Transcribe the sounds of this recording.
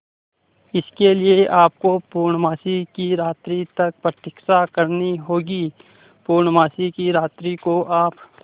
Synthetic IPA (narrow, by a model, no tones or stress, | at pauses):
ɪskelɪeʔaːp̚kopuːɾɳəmaːsikiɾaːt̪ɾit̪ɐk̚pɾət̪ɪksakəɾniɦoːɡiː | puːɾɳmaːsikiɾaːt̪ɾikoʔaːp